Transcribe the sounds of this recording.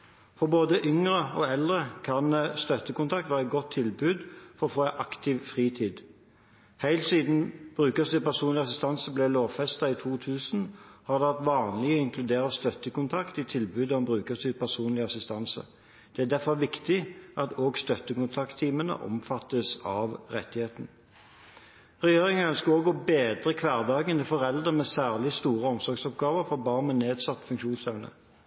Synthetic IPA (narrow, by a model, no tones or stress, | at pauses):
fɔʁboːd̪əʔʏŋʁəɔɛld̪ʁəkʰɑnst̪œt̪ːəkʊnt̪ʰɑkt̪ʋæːʁɛɡɔt̪ʰːɪlbʉːd̪fɔɾʁɔfoːʔɑkt̪ɪʋfʁiːt̪ʰiːd̪ | hæɪlt̪siːd̪n̩b̥ʁʉːkəsɪpæʁsuːnlɪɑsɪst̪ɑnsblɛloːʋfɛst̪ɑɪt̪ʰuːt̪ʰʉːsn̩hɑʁd̪ɛʋæʁt̪ʋɑːnlɪɔɪŋklʉd̪eːʁəst̪œt̪ːəkʊnt̪ʰɑkt̪ɪt̪ʰɪlbʉːd̪ɔmbʁʉːkəsɪpʰæsuːnlɪɑsɪst̪ɑnsə̰ | d̪̥ɛæd̪æfɔʁʋɪkt̪ɪʔɑt̪oːɡst̪œt̪ːəkʊnt̪ʰɑkt̪ʰːiːmənə̰ʔɔ̰mfɑt̪ːəsɑʋʁɛ̰t̪ːɪheːt̪n̩ | ʁɛjeːʁɪŋənœnskəoːɡɔbeːd̪ʁəkʰʋæːʁd̪ɑːɡənəfɔʁɛld̪ʁəmɛsæːʁlɪst̪uːʁəɔmsɔɾɡsɔpɡɑːʋəʁfɔʁbɑːʁnmɛneːd̪sɑt̪ːfʉŋkʃuːnsɛʋnə̰